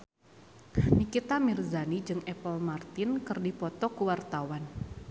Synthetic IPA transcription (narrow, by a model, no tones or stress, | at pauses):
nikit̪amirzanid͡ʒɨŋɛpɔlmart̪ɪnkɨrdipɔt̪ɔkuwart̪awan